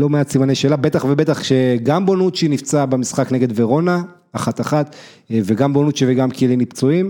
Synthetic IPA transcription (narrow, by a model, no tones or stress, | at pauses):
lo̞measimaneʃe̞ːlabe̞t̪aχvebe̞t̪aχʃeɡambonut̪ʃinift͡sabemisχakneɡe̞d̪veʁo̞na | aχat̪aχat̪ | veɡambonut̪ʃeveɡamkʰelimnipt͡soim